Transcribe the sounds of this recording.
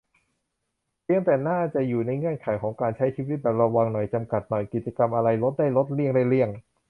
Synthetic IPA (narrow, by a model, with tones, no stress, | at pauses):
pʰi˧˩əŋt̪ɛː˨˩naː˥˩t͡ɕa˨˩juː˨˩na˧jŋɯ˥˩ənkʰaː˩˦jkʰɔː˩˦ŋkaː˧nt͡ɕʰa˦˥jt͡ɕʰiː˥˩wi˦˥t̪̚bɛː˨˩p̚ɾa˧wa˧ŋnɔ˨˩jt͡ɕa˧mka˨˩t̪̚nɔ˨˩jki˨˩t̪̚t͡ɕa˧ka˧mʔa˧ɾa˧jlo˦˥t̪̚da˥˩jlo˦˥t̪̚li˥˩əŋdaː˥˩jli˥˩əŋ